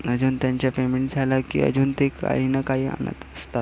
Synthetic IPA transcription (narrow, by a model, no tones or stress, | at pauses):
əd͡ʑuːnt̪jaɲt͡ɕjapemeɳʈd͡zʱalakḭə̰d͡ʑuːnt̪eka̰ɦinəkaɦiːa̰nə̰t̪əst̪at̪